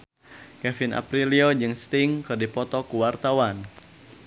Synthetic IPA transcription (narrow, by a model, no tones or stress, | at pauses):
kɛfinʔa̰pɾiliod͡ʒɨŋst̪iŋkɨrdipɔt̪ɔkuwart̪awan